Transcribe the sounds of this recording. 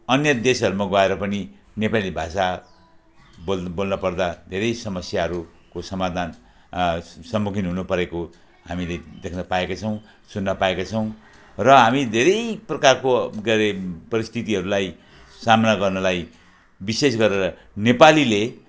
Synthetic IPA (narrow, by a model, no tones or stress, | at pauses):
ʌnjʌd̪esɦʌɾumaɡʌeɾʌpʌni | nepalibʱasa | bobolnʌpʌrd̪ad̪ʱeɾʌjsʌmʌsjaɦʌɾu | kosʌmad̪ʱan | sʌmːukʰinɦunupʌɾeko | ɦamiled̪ekʰnʌpaekat͡sʰʌw̃ | sunːʌpaekat͡sʰʌw̃ | rʌɦamid̪ʱeɾʌjprʌkarkoɡʌɾepʌɾist̪ʰit̪iɦʌɾulaj | samnaɡʌrnʌlaj | bisesɡʌɾeɾʌ | nepalile